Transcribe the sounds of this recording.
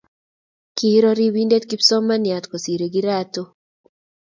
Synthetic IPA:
ki˦ɾɔ˦ɾi˦wi˦nde˦tki˦psɔ˦ma˦nja˨tko˨si˨ɾe˨ɡi˦ɾato˦

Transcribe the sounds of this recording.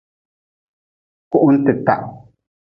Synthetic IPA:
ku˦ʔʊ˦n̩˦t̪ɪ˨ta˨ʔ

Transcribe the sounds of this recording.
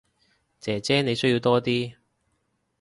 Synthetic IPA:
t͡sɛː˨t͡sɛː˥ne˨˧jsɵ˥ji˨˧wt̪ɔː˥t̪iː˥

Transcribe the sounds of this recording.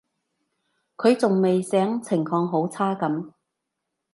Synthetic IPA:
kʰɵ˨˧ɥt͡sʊ˨ŋme˨jsɛː˨˥ŋt͡sʰɪ˨˩ŋfɔː˧ŋɦo˨˥wt͡sʰaː˥kɐ˨˥m

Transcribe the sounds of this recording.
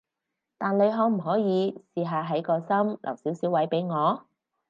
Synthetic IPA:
t̪aː˨nle˨˧jɦɔː˨˥m̩˨˩ɦɔː˨˥jiː˨˧siː˨ɦaː˨˧ɦɐ˨˥jkɔː˧sɐ˥mlʔɐ̰˨˩wsiː˨˥wsiː˨˥wːɐ˨˥jpe˨˥jŋɔː˨˧

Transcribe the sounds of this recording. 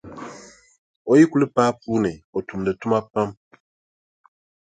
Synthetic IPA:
o˨ji˦ku˦lɨ˦paː˦puː˦nɨ˨o˨tu˨m˨dɨ˨tu˦ma˦pa˦m

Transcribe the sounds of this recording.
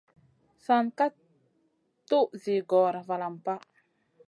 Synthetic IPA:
sa˨nka˦ | t̪u˦ʔzi˨ɡɔ˨ɾa˨va˨la˨mpa˦

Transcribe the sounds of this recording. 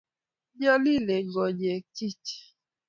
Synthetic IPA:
ɲa˦li˦le˨ɡɔ˨ɲɛ˨ki˦ti̥˨

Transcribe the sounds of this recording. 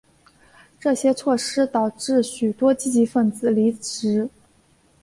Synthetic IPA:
ʈ͡ʂɤ˥˩ɕjɛ˥t͡sʰwɔ˥˩ʂɻ̩˥t̪ɑ˨˩ʊʈ͡ʂɻ̩˥˩ɕy˨˩t̪wɔ˥t͡ɕi˥˩t͡ɕi˧˥fə˥˩nt͡sɹ̩˨˩li˧˥ʈ͡ʂɻ̩˧˥

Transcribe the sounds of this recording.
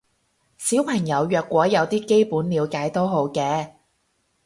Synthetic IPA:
siː˨˥wpʰɐ˨˩ŋjɐ˨˧wjœː˧kːʷɔː˨˥jɐ˨˧wt̪iː˥ke˥jpuː˨˥nliː˨˧wkaː˨˥jt̪o˥ɦo˨˥wkɛː˧

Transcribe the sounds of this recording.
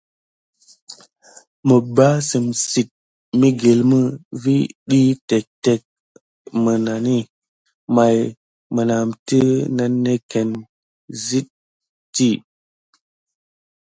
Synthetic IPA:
mə˨ba˦si˨msi˨t̚ | mi˦ɡe˨lmə˦vi˦ɗi˦tɛ˨k̚tɛ˨k̚ | mə˨na˨ni˦ | ma˨j | mə˨na˨mti˦na˦nːe˦ke˨n | zi˦t̚ː | i˦

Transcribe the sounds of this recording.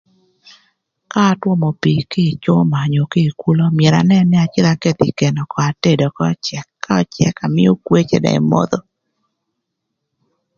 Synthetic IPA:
kaː˦twɔ˦mo˨pi˨kɪ˦˨t͡ʃo˦ma˨ɲo˨kɪ˦˨ku˦lo˦mjɛ˨ɾa̰˨nɛ˦nɪ˦a˨t͡ʃɪ˦ɾa˦ke˦t̪ḭ˨ke˨nɔ˨kɔ˨a˨te˦˨dɔ˨kɔ˦t͡ʃɛ˨kːa˦ɔ˦t͡ʃɛ˦ka˨mɪ˦o˦kwe˦t͡ʃḛ˨dɛ̰˨ɪ̰˨mo̰˦d̪o˦

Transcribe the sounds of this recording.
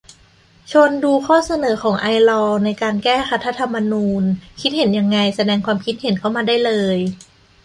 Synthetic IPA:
t͡ɕʰo˧nduː˧kʰɔː˥˩sa˧nɤː˩˦kʰɔː˩˦ŋʔa˧jlɔː˧na˧jkaː˧nkɛː˥˩xa˦˥t̪ʰːa˧˥t̪ʰa˧mːa˧nuː˧nkʰi˦˥t̪̚he˩˦nja˧ŋːa˧jsa˧dɛː˧ŋkʰwaː˧mkʰi˦˥t̪̚ɦe˨˩˦nkʰa˥˩wmaː˧daː˥˩jlɤː˧j

